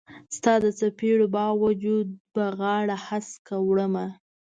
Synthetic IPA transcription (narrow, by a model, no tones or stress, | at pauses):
st̪ɑd̪ət͡sapiɽobɑwad͡ʒud̪̚baɣɑɽahaskawɽəma